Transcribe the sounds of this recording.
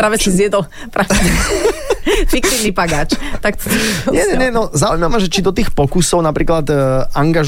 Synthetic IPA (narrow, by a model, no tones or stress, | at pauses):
ɾaːʋɛsizjɛd̪ɔl | pɾaːʋ | fik̚t̪iːʋnipaɡaːt͡ʃt̪ak̚t̪ɔɲɛɲɛɲɛnɔzaujmamaʒɛt͡ʃid̪ɔt̪iːxpɔkusɔʊnapɾiːklad̪aŋɡaʒ